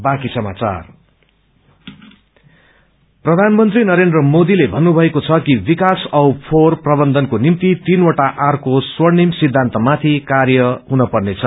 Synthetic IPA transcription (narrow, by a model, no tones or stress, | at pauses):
bakisʌma̰t͡sa̰r | prʌd̪ʱanmʌnt̪rinʌɾend̪rʌmod̪ilebʱʌnːubʱʌekot͡sʰʌkibikasʌwpʰorprʌbʌnd̪ʌnkonimt̪it̪inwoʈaʔarkoswʌrnimsid̪ʱːant̪ʌmat̪ʰikarjʌɦunʌpʌrnet͡sʰʌ